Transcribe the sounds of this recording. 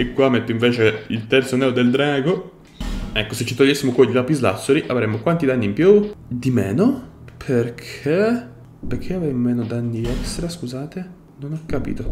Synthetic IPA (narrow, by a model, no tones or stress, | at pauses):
ekːwamːet̪ːoiɱveːt͡ʃeilt̪ɛrt̪sonɛːod̪eld̪ɾaːɡo | ɛkːoset͡ʃːit̪oʎːesːimokoʎilapizla̰sːoɾiʔavɾemːokwant̪id̪anːiːmpjud̪imɛːnopʰerkʰe | perkʰeavɛjmomeːnod̪anːiɛst̪ɾaskuzaːt̪e | nonakːapḭːt̪o